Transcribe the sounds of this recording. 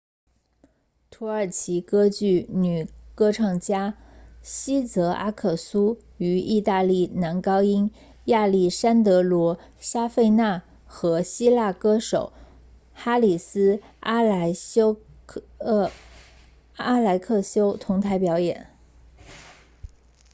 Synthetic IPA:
t̪ʰu˧˥ə˞˨˩t͡ɕʰi˧˥kɤ˥t͡ɕy˥˩ny˨˩kɤ˥ʈ͡ʂʰɑ˥˩ŋt͡ɕja˥ɕi˥t͡sɤ˧˥ʔa̰˥kʰɤ˥˩su˥ | y˧˥i˥˧t̪a˥˧li˥˩na˧˥nkɑ˥ʊi˥n | ja˥˧li˥˩ʂa˥nt̪̬ɤ˧˥lwɔ˧˥ɕja˥fe˥˧ɪna˥˩ | xɤ˧˥ɕi˥la˥˩kɤ˥ʂo˨˩˦ʊ | xa˥li˨˩sɹ̩˥ | a˥˧˥ | a˥la˧˥ɪkʰɤ˥˩ɕjo˥ʊt̪ʰʊ˧˥ŋt̪ʰa˧˥ɪpjɑ˧˥ʊjɛ˨˩˦n

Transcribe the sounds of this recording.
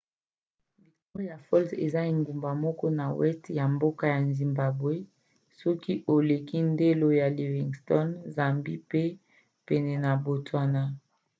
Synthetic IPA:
bi˨ko˦ja˨fɔ˦lsḛ˨za˦i˨ŋɡu˨mba˨mɔ˦kɔ˦na˨wɛ˦stja˨mbo˦ka˦ja˨nzi˨mba˨bwe˦ | sɔ˦ki˦ʔo˨le˨ki˦nde˦lo˦ja˨li˨vi˨ŋstɔ˦nza˨mbi˦pe˦ | pɛ˨nɛ˨na˨bo˨tʰwa˨na˦

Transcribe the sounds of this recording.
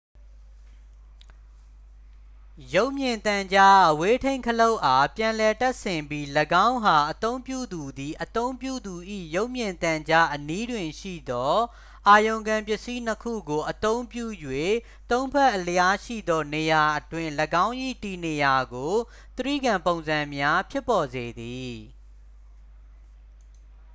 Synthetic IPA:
jo˦ʊʔmjɪ̃˨nt̪ã˨ɲd͡ʑa˦ʔəwe˦tʰẽ˦ɪ̃ŋkʰəlo˦ʊʔa˨pjã˨lɛ˨ta˦ʔsɪ̃˨mbji˦ləɡã˦ʊ̃ɦa˨ʔət̪õ˦ʊ̃mpjṵ˦˨d̪u˨d̪i˨ʔət̪õ˦ʊ̃mpjṵ˦˨d̪u˨ʔḭ˦˨jo˦ʊʔmjɪ̃˨nt̪ã˨ɲd͡ʑa˦ʔəni˦dwɪ̃˨ʃḭ˦˨d̪ɔ˦ | ʔa˨jõ˨ʊ̃ŋɡã˨mpjɪ˦ʔsi˦nəkʰṵ˦˨ɡo˨ʔət̪õ˦ʊ̃mpjṵ˦˨jwe˦˨ | t̪õ˦ʊ̃mpʰɛ˦ʔələja˦ʃḭ˦˨d̪ɔ˦ne˨ja˨ʔətwɪ̃˦ləɡã˦ʊ̃ʔḭ˦˨ti˨ne˨ja˨ɡo˨ | t̪əɹḭ˦˨ɡã˨mpõ˨ʊ̃nzã˨mja˦pʰjɪ˦pːɔ˨ze˨d̪i˨

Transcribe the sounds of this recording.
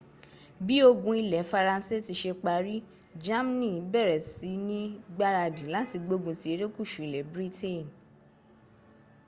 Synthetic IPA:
bi˦o˧ɡũ˧i˧lɛ˨˦fa˧ɾa˧n̩˦se˦˨ti˧˦ʃe˧k͡pa˧ɾi˦ | d͡ʒa˦m˦nĩ˦˨˦bɛ˦˨ɾɛ˨si˨˦nĩ˦ɡ͡ba˦ɾa˧˨dĩ˨˦la˦ti˧ɡ͡bo˧ɡũ˧ti˧˦e˧ɾe˦ku˦˨ʃu˨i˨lɛ˨˦bɾi˦te˦˨n

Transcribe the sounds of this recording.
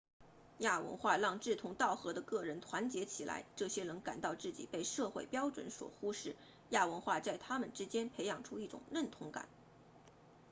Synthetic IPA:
ja˥˩wə̰˧˥nxwa˥˧lɑ˥˧ŋʈ͡ʂɻ̩˥˩t̪ʰʊ˧˥ŋt̪ɑ˥˩ʊxɤ˧˥d̪ə˧kɤ˥˩ɻə˧˥nt̪ʰwa˧˥nt͡ɕjɛ˧˥t͡ɕʰi˨˩la̰˧˥ɪʈ͡ʂɤ˥˩ɕjɛ˥nɤ˧˥ŋka˨˩nt̪ɑ˥˧ʊt͡sɹ̩˥˩t͡ɕi˨˩pe˥˧ɪʂɤ˥˧xwe˥˩ɪpjɑ˥ʊʈ͡ʂwə̰˧˥nswɔ̰˨˩xu˥ʂɻ̩˥˩ | ja˥˩wə˧˥nxwa˥˧t͡sa˥˩ɪt̪ʰa˥mə˨nʈ͡ʂɻ̩˥t͡ɕjɛ˥npʰe˧˥ɪjɑ˨˩ŋʈ͡ʂʰu˥i˥˩ʈ͡ʂʊ̰˨˩ŋɻə˥˩nt̪ʰʊ˧˥ŋka̰˨˩˦n

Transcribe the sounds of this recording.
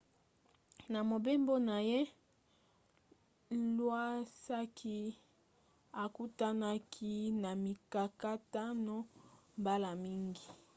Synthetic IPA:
na˨mo˨be˦mbo˦na˨je˦ | lwa˦sa˦kʰi˦ | a˨ku˦ta˦na˦kʰi˦na˨mi˨ka˨ka˦ta˦no˦mba˦la˨mi˦ŋɡi˨

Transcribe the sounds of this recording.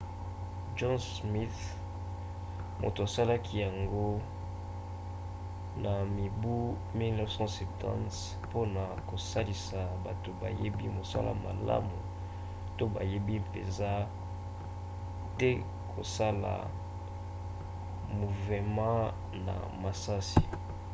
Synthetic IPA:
d͡ʒɔ˦nsmi˦θ | mo̰˨to˨a˨sa˦la˦kʰi˦ja˨ŋɡo˦ | na˨mi˨bu˦ | mi˦lnɔ˦fsɑ̃˦sɛ˨tʰã̰˦nt | po˦na˨ko˨sa˦li˨sa˨ba˨to˨ba̰˨je˦bi˦mo˨sa̰˦la̰˨ma̰˨la̰˦mu˨ | to˦ba̰˨je˦bi˦pḛ˨nza˦ | te˦ | kʰo̰˨sa˦la̰˨ | mu˨vɛ˨mɑ̃˦ | na̰˨ma˨sa˦si̥˨

